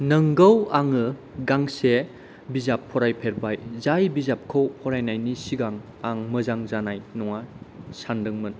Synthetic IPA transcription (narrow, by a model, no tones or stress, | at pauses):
nɐŋɡəwaŋɯ | ɡaŋse | bizapʰːɔɾajpʰeɾbajzajbizap̚kʰowpʰɔɾajnajnisiɡaŋ | aŋmɯzaŋzanajnɔŋasandɯŋmɯn